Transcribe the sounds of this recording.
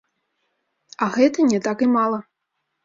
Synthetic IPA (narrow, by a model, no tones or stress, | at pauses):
aɣɛt̪ɐnʲɛt̪akimalˠɐ